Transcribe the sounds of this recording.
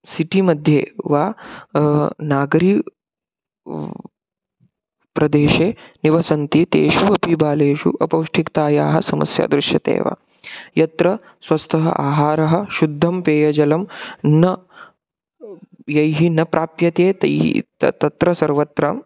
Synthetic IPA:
siʈimɐd̪ʱjḛːʋaː | naːɡɾiː | pɾɐd̪eːʃeːniʋɐsɐnt̪it̪ḛːʃuɐpibaːleːʃṵʔɐpɐwʂʈʰikt̪aːjaːɦɐsɐmɐ̰sja̰ːd̪ɾɪʃjɐt̪ḛːʋa̰ː | jɐt̪ɾɐ | sʋɐst̪ʰɐɦɐ̰ʔa̰ːɦaːɾɐɦɐ̆ʃud̪ʱːɐmpeːjɐd͡ʒɐlɐmnɐ | jɐjɦinɐpɾʔaːpjɐt̪eːt̪ɐjḭt̪t̪ɐt̪ɾɐsɐɾʋɐt̪ɾɐm

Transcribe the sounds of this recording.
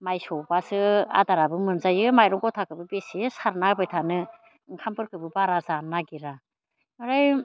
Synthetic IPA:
majsɔbasɯa̰daɾabɯmɯnzajɯmajɾɔŋɡɔtʰakɯbɯbesisaɾnabɯjtʰanɯ | ŋkʰampɯɾkɯbɯbaɾazanaɡiɾa | ɯɾaj

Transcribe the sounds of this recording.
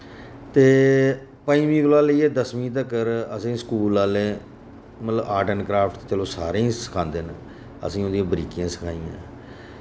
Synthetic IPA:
t̪eː | pəĩːʋĩːkəlaːliːeːd̪əsʋĩːt̪əkːəɾəsĩːsə̥kuːlaːleː | mət̪ləbaːʈənkɾaːpʰʈ̪t͡ʃeːloːsaːɾeĩːsə̥kʰãːnd̪eːn | ə̰sĩːod̪ijãːbəɾiːkijãːsə̥kʰaːijã̰ː

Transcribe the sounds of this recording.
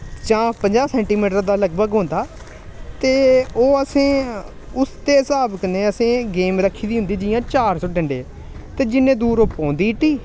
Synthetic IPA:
t͡ʃãːpəɲd͡ʒaːsɛ̃ːɳʈiːmiːʈəd̪aːləɡbəɡɦõːnd̪aː | t̪eːoːəsẽː | ʊst̪eːɦɪsaːbkənẽːəsẽːɡeːmɾəkʰːiːd̪iːɦʊ̃nd̪iːd͡ʒɪjãːt͡ʃaːɾsɔːʈə̃ɳɖeː | t̪eːd͡ʒɪnːẽːd̪uːɾoːpɔ̃ːnd̪iːʈːiː

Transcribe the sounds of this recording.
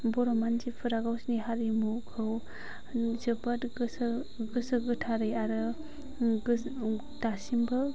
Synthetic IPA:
bɔɾɔmand͡ʒipʰɯɾaɡawsniɦaɾimukʰɯw | zɯpatɡɯs | ɡɯsɯɡɯtʰaɾɯjaɾɯ | ɡ | tasimbɯ

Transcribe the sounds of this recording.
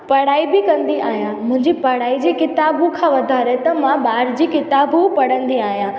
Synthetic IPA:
pɐɽaːibɪkɐ̃nd̪iʔaːɦijãmʊ̃ɦɪ̃ɲd͡ʑipɐɽaːid͡ʑiːkɪt̪aːbukʰãʋɐd̪ʱaːɾet̪ɐmãɓaːɾd͡ʑiːkɪt̪aːbupɐɽə̃nd̪iaːɦijãː

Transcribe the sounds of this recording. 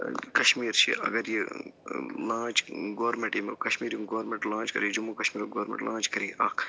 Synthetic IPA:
kɐʃmiːɾt͡ʃʰḭɐ̰ɡɐɾji | lãːt͡ʃɡoːɾmẽɳʈjimkɐʃmiːɾjiɡoːɾmẽɳʈlãːnt͡ʃkɐ̰ɾid͡ʒumːuːkɐʃmiːɾoɡoːɾmḛɳʈlãːt͡ʃkɐɾiːʔɐkʰ

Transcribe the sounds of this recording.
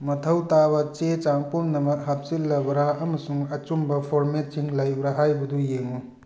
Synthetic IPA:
mɐtʰɐwtabɐt͡ʃet͡ʃaŋpomnɐmɐk̚hap̚silːɐbɐɾaɐmɐsuŋɐt͡ʃumbɐpʰoɾmetiŋlajbɾaɦajbudujeŋu

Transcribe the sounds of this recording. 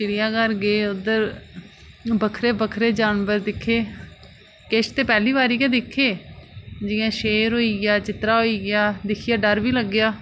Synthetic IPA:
t͡ʃɪɽɪjãːkəɾɡeːʊd̪əɾ | bəkʰɾeːbəkʰɾeːd͡ʒaːnbəɾd̪ɪkʰːeː | keʃt̪eːpɛːliːbaːɾiːkɛ̃ːd̪ɪkʰːeː | d͡ʒɪjãːʃeːɾɦoːiːɡjaːt͡ʃɪt̪ɾaːɦoːiːɡɪjaːd̪ɪkʰijaːɖəɾʋiːləɡːjaː

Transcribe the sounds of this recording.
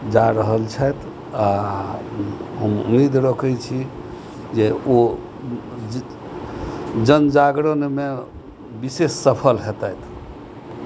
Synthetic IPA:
d͡ʒaɾəɦəlt͡ʃʰɛjt̪ʰ | a | ɦəmṵmed̪ɾəkʰəjt͡ʃʰi | d͡ʒeo | d͡ʒənd͡ʒaɡɽəneme | bisesːəpʰəlɦet̪əjt̪ʰ

